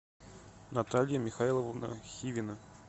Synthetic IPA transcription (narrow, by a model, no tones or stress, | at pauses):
nat̪alʲjəmʲɪxailˠəvəvnə̰xʲivʲɪnə